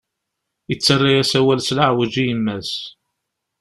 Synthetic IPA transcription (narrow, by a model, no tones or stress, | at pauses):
jət͡sːərˤːajæsæwælslaʕwəd͡ʒijəmːæs